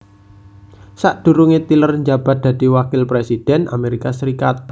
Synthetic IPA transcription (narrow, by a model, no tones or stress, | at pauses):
saʔd̪̥ṳɾuŋet̪ilərɲd͡ʒab̥a̤t̪̚d̪̥ä̤d̪̥iwakɪlpɾesid̥ɛnʔa̰meɾikasəɾikat̪̚